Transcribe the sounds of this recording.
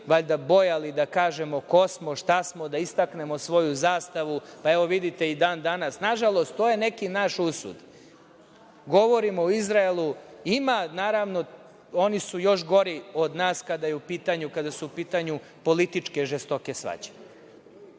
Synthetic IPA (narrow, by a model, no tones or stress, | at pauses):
ʋaʎd̪abo̞jalid̪akaːʒemo̞ko̞smoʃt̪asmo̞d̪aist̪akne̞mo̞sʋo̞juzaːst̪aʋupaeʋo̞ʋid̪it̪e̞id̪aːnd̪anasnaʒalˠo̞st̪t̪ːoːje̞nekinaːʃusṵd̪ | ɡo̞ʋo̞ɾimooizɾaelˠuimanaːɾaʋno̞ | onisujo̞ʃ̬ɡo̞ɾiod̪naːskad̪ajeupiːt̪aɲukad̪asuupiːt̪aɲu | po̞lit̪it͡ʃke̞ʒest̪o̞kesʋa̰d͡ʑen